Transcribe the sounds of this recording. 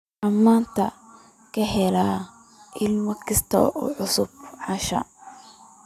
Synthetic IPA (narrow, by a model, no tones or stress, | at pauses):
ʔɐmːaːnt̪ʰɐ | kʰɐɦɛlaː | ʔɪlmɐkʰɐst̪ʰɔ̰ʔɔ̰ːʕʊsʊb̚ʕɑʃɐ̰